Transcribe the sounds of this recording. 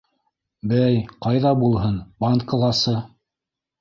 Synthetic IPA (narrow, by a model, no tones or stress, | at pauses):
bæjqɑjðɑbulˠɦɤnbant̪kə̆lˠɑsɤ